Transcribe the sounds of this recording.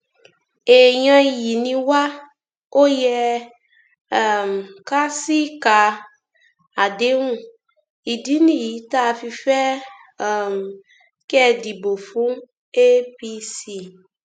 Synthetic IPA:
e˨ɲã˧i˨ji˨nĩ˧wa˦ | o˦jɛ˧˨ | m˨ka˦si˦ka˧ | a˨de˦ŋũ˦˨ | i˨di˨˦nĩ˦˨ji˨˦ta˦˨˧fi˧fɛ˦˨ | m˨ | kɛ˦˨di˨bo˨fũ˦ | e˦pi˧si˧

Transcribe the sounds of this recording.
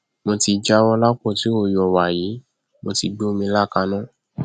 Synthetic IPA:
mo˧ti˧d͡ʒa˦˧wɔ̃˧la˦k͡pɔ˦˨ti˨˦o˦˨jɔ˨wa˨ji˨˦ | mo˧ti˧ɡ͡bo˦o˦mĩ˧la˦˨ka˧nã˦

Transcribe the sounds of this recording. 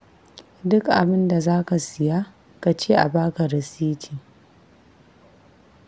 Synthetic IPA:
dʊ˦kʔa̰˨bɪ˦nda˨zaː˦ka˨sɪ˨jaː˦ | ka˨t͡ʃeː˦ʔa̰˨baː˦ka˨ɾɐ˨siː˦tʰi˨

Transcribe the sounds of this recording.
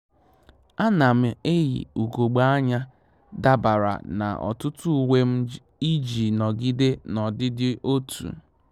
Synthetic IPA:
a˦na˨m̩˦e˦jḭ˨u˨ɡo˨ɡ͡ba˦a˦ɲa˦ | da˦ba˨ɾa̰˨na̰˨ʔɔ̰˨tʊ˦tu˦˨we˦m̩˦ | i˦d͡ʒi˨nɔ˨ɡi˦de˦nɔ˨dɪ˦dɪ˦ʔo˦tʰṵ˨

